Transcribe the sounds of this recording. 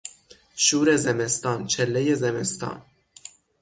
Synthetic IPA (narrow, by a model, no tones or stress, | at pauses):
ʃuːɾezemest̪ɒːnt͡ʃʰelːejezemest̪ʰɒ̰ːn